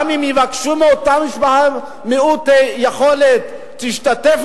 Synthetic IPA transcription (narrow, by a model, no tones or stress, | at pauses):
mimjivakʃumeot̪amiʃbaa | meut̪ejeχolet̪ː | iʃtat̪ef